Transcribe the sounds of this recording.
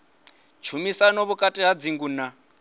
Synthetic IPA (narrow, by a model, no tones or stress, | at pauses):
t͡ʃʰumisanɔβukʼatʼiɦad͡ziŋɡuna